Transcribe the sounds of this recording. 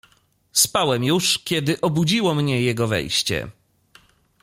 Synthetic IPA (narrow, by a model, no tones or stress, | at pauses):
spawɛmjuʂkʲɛd̪ɘʔɔbud͡ʑiwɔmɲɛjɛɡɔvɛ̰jɕt͡ɕɛ̰